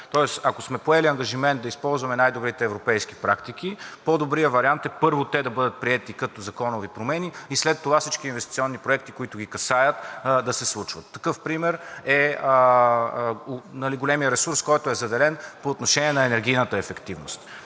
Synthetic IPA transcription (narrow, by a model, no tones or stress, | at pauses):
t̪ɔɛsɐkosmɛpoɛliɐŋɡɐʒimɛnt̪̚d̪ɐispɔlˠzvɐmɛnajd̪obɾit̪ɛːvɾopɛjsk̟i̥pɾa̰kt̪ik̟ipod̪obɾijəvɐɾiant̪ɛpɤɾvot̪ɛd̪ɐbɤd̪ət̪̚pɾiɛt̪ikɐt̪ozɐkɔnʊvipɾomɛniislɛt̪ːovafsit͡ʃkiːnvɛst̪i̥t̪siɔnːipɾoɛk̚t̪ikoit̪ʊɡ̟ʲikɐsajət̪d̪ɐsɛslˠut͡ʃvət̪ːɐkɤfpɾimɛɾɛ | nɐliɡolɛmijəɾɛsuɾskɔjt̪ʊɛzɐd̪ɛlɛnpoːt̪noʃɛniɛnɐɛnɛɾɡ̟ijnət̪əɛfɛkt̪ivnost̪